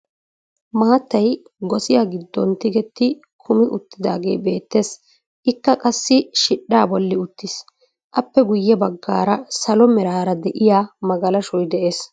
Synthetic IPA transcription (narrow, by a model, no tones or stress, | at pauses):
maːt̪ːɐj | ɡɔsɪjaːɡɪd̪ːɔnt̪ɪɡɛt̪ːɪ | kʰʊmɪʔʊt̪ːɪd̪a̰ːɡe̞̰ːbe̞ːt̪ːe̞ːs | ʔɪkːɐkʼɐsːɪʃɪᶑːaːbɔlːɪʊt̪ːɪs | ʔɐpːɛɡʊjːɛbɐɡːa̰ːɾɐsɐlɔmɛɾaːɾɐd̪ɛʔɪjaːmɐɡɐlɐʃɔjd̪ɛʔe̞ːs